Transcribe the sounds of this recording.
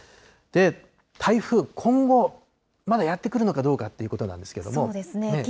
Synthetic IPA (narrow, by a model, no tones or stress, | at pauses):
d̪̥e̞ | t̪ʰaiɸɯ̟kʰõ̞ŋɡo̞ | mad̪ajat̪ːe̞kɯ̟ɾɯ̟no̞kad̪o̞ːkat̪ːe̞iɯ̟ko̞t̪o̞nã̰nd̪e̞sɨ̥ked̪o̞̰smod̪esɨnene